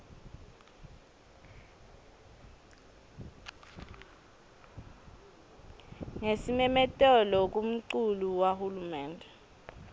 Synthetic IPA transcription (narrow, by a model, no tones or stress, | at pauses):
ŋesimɛmɛtʼɛlɔk̬um̩ǀuluwahulumɛːndʱɛ